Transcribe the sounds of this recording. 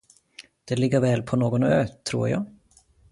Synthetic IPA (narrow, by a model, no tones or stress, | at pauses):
d̪̥ɛlɪɡːəɾvɛːlpʰɔnoːɡɔnøːt̪ʰɾṵːɾjɑ̰ː